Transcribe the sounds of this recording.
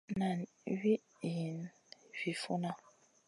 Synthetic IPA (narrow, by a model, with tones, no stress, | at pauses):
na˨n | wi˦˨ | ji˨n | vi˨fṵ˦na˦